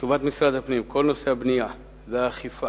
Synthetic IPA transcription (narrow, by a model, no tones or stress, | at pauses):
ʃuvat̪misʁad̪hapnimkʰo̞lno̞seabnija | zeaχifa